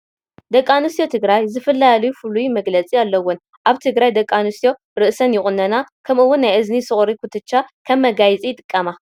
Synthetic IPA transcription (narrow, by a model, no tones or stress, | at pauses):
d̪ɐkʼːanɨst̪jo̞t̪ʰɨɡɾajzɨfɐlːalijufulujumɐɡlɐt͡sʼialːɐwːʊn | ʔaβt̪ʰɨɡɾajd̪ɐkʼːanɨsjo̞ | ɾɨʔsɐnjɪxʼʊnːɐnakʰɐmɨwːʊnːajʔɨznisɨχʼɾikʰut̪ʰɨt͡ʃːakʰɐmːɐɡajt͡sʼijɪt̪ʼɨ̥kʼːɐma